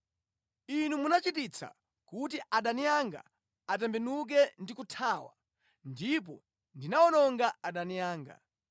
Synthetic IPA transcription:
inumunat͡ʃitit͡sʰa̰ | kutiʔaɗanijaŋɡa̰ | at̬ɛmbɛnuk̬ɛndikutʰaːwa̰ | ndip̬ɔ | ndinaɔnɔŋɡaaɗanijaːŋɡa̰

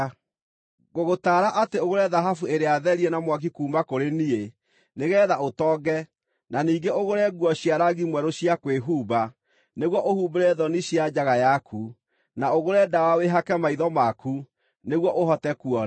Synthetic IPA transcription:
ɣoɣotaːɾaʔateoɣoɾɛðaɦafueɾeaðɛɾiɛnamwak̬ikuːmakoɾenie | neɣɛːðaotɔːɡɛ | naniːŋɡeoɣoɾɛɡwɔɕiaɾaɣimwɛɾoɕjakweɦuːba | neɣwɔʔohuːbeɾɛðɔniɕiad͡ʑaɣajakʰu | naoɣoɾɛdawaweɦakɛmaiðɔmaku | neɣwɔʔoɦɔtɛkuɔɾ

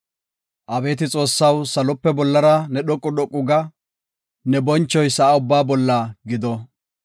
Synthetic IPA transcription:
ʔɐbe̞ːt̪ɪt͡sʼo̞ːsːɐwsɐlɔpːɛbɔlːɐɾɐnɛɗɔkʼːʊɗɔkʼːʊɡɐ | nɛbɔnt͡ʃːɔjsɐːʊbːaːbɔlːɐɡɪd̪ɔ

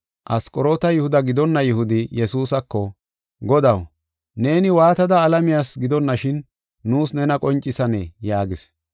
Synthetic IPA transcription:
ʔɐskʼɔɾo̞ːt̪ɐjʊhʊd̪ɐɡɪd̪ɔnːɐjʊhʊd̪ɪjɛsuːsɐkːɔ | ɡɔd̪ɐw | ne̞ːnɪwaːt̪ɐd̪ɐːlɐmɪjaːsɡɪd̪ɔnːɐʃɪnː | uːsnɛnɐkʼɔnt͡ʃʼːɪsɐnḛːjaːɡɪs

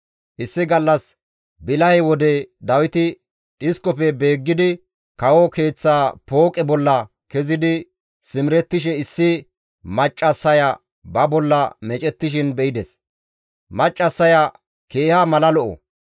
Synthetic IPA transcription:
ʔɪsːɪɡɐlːɐs | bɪlɐhɛwɔd̪ɛd̪ɐwɪt̪ɪ | ᶑɪskɔpɛbe̞ːɡːɪd̪ɪ | kɐwɔke̞ːt͡sːaːpo̞ːkʼɛbɔlːɐ | kɛzɪd̪ɪ | sɪmɪɾɛt̪ːɪʃɛɪsːɪ | mɐt͡ʃʼːɐsːɐjɐ | bɐbɔlːɐmɛt͡ʃʼɛt̪ːɪʃ̬ɪnbɛʔɪd̪ɛs | mɐt͡ʃʼːɐsːɐjɐ | ke̞ːhɐmɐlɐlɔʔɔ̰

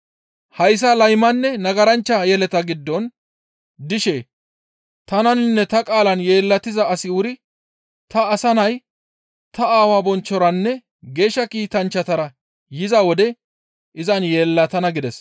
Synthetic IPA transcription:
hɐjs̬ɐlɐjmɐnːɛnɐɡɐɾɐnt͡ʃːɐjɛlɛt̪ɐɡɪd̪ːɔn | d̪ɪʃeː | t̪ɐnɐnnːɛt̪ɐkʼaːlɐnje̞ːlːɐt̪ɪzɐɐsɪʊɾɪ | t̪ɐːsɐnɐj | t̪ɐaːwaːbɔnt͡ʃːɔɾɐnːɛ | ɡe̞ːʃːɐkiːt̪ɐnt͡ʃːɐt̪ɐɾɐ | jɪzɐwɔd̪ɛ | ʔɪzɐnjeːlːɐt̪ɐnɐɡɪd̪ɛs

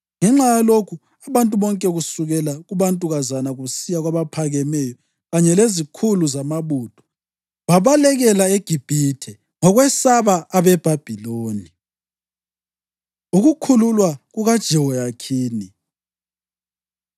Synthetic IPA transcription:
ŋɛŋ͡ǁajalokʰu | aβantʼuβɔŋkʼɛɣusuɣɛlaɣuβantʼuɣazanaɣusijaɣwaβapʰaɣɛmɛjɔ | ɣaɲɛlezikʰuluzamaβuːtʰʼɔ̥ | βaβalɛɣɛlaeɡ̥ʱib̥ʱitʰɛ | ŋɔɣwɛsaβaːβɛb̥ʱab̥ʱiloːni | uɣukʰululwaɣuɣad̥ʒ̥ʱiwɔjakʰiːni

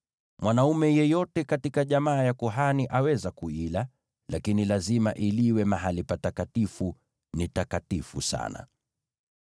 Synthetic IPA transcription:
mwanaumɛjɛjɔtɛkatikaʄamaːjakuɦaniʔawɛzakuila | lakinilazimaʔiliwɛmaɦalipatakatifu | nitakatifṵsa̰na̰

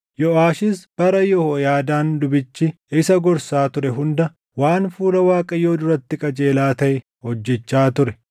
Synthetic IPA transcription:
jɔʔaːʃɪsb̥ɐɾɐjɔhojaːd̪aːnd̪ʊbɪt͡ʃːɪ | ɪsɐɡɔɾsaːt̪ʊɾɛɦʊnd̪ɐ | waːnfuːlɐwaːkʼɐjo̞ːd̪ʊɾɐt̪ːɪkʼɐd͡ʒe̞ːlaːt̪ɐʔɛ | hɔd͡ʒːɛt͡ʃːaːt̪ʊɾɛ

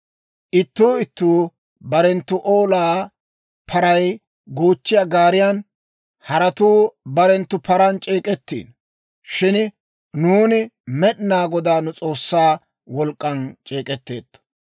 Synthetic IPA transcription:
ʔɪt̪ːuːɪt̪ːuː | bɐɾɛnt̪ːʊʔoːlaː | pʰɐɾɐj | ɡoːt͡ʃːɪjaɡaːɾɪjan | hɐɾɐt̪uːbɐɾɛnt̪ːʊpʰɐɾɐnt͡ʃʼeːkʼɛt̪ːḭːn | ʃɪn | nuːnɪmɛɗnaːɡɔd̪aːnʊt͡sʼo̞ːsːaː | wɔlkʼːɐnt͡ʃʼeːkʼɛt̪ːḛːt̪ːɔ̥

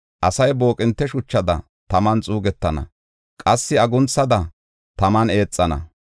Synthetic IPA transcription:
ʔɐsɐjbo̞ːkʼɪnt̪ːɛʃʊt͡ʃːɐd̪ɐ̰ | t̪ɐmɐnt͡sʼuːɡɛt̪ːɐnɐ̰ | kʼɐsːɪɐɡʊnt͡sːɐd̪ɐ | t̪ɐmɐne̞ːt͡sʼːɐnɐ̰

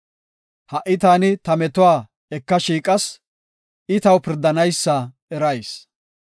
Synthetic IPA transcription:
hɐʔɪt̪aːnɪt̪ɐmɛt̪ʊwaː | ɛkːɐʃiːkʼɐs | ʔɪt̪ɐwpɪɾd̪ɐnɐjsːɐ | ɛɾɐjs

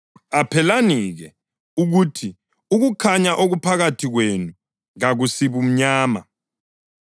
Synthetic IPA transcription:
apʰɛlaniɣɛ | uɣutʰi | uɣukʰaɲaʔoɣupʰaɣatʰiɣwenu | ɣaɣusiβum̩ɲaːma̰

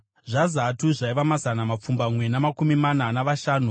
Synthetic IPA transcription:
ʐazatuʐaiʋamazanamap͡fumbamwe̞namakumimananaʋaʃaːnu

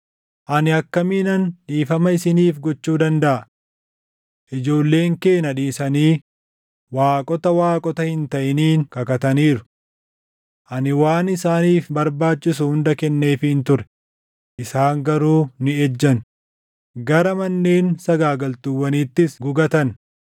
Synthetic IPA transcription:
ʔɐnɪɐkːɐmiːnɐnᶑiːfɐmɐɪsɪniːfɡɔt͡ʃːuːd̪ɐnd̪ɐʔɐ | ʔɪd͡ʒo̞ːlːe̞ːŋke̞ːnɐᶑiːsɐniː | waːkʼɔt̪ɐwaːkʼɔt̪ɐhɪnt̪ɐʔɪniːnkɐkɐt̪ɐniːɾʊ | ʔɐnɪwaːnɪsaːniːfbɐɾbaːt͡ʃːɪsʊhʊnd̪ɐkɛnːe̞ːfɪhɪnt̪ʊɾɛ̥ | ʔɪsaːŋɡɐɾuːnɪɛd͡ʒːɐn | ɡɐɾɐmɐnːe̞ːnsɐɡaːɡɐlt̪ʊwːɐniːt̪ːɪsɡʊɡɐt̪ɐn

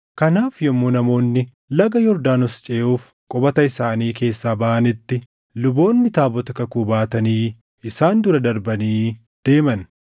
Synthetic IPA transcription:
kɐnaːfjɔmːonɐmo̞ːnːɪ | lɐɡɐjɔɾd̪aːnʊst͡ʃʼeːʔuːf | kʼɔbɐt̪ɐɪsaːniːke̞ːsːaːbɐʔɐnɪt̪ːɪ | lʊbo̞ːnːɪt̪aːbɔt̪ɐkɐkuːbaːt̪ɐniː | ɪsaːnd̪ʊɾɐd̪ɐɾbɐniː | d̪̥e̞ːmɐn

